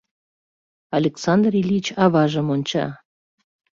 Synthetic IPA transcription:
ɑlʲeksɑnd̪rilʲit͡ɕɑβɑʒə̆monʲt͡ɕɑ̰

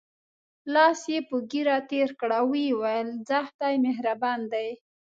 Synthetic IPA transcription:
lɑsjepəɡiɾat̪eɾkɽawiwajəlzaxt̪ajmeɦɾaband̪aj

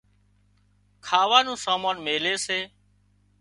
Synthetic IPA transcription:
kʰaːʋaːnũːsaːmaːnmeːleːseː

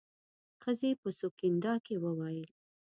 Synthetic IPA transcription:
xəzepəsokind̪ɑkewəwɑjəl

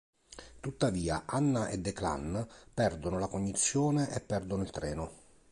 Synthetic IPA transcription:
t̪ut̪ːaviːaʔanːaʔed̪ːekla̰npɛrd̪onolakoɲːit̪sːjoːneʔɛpːɛrd̪onoilt̪ɾɛːno

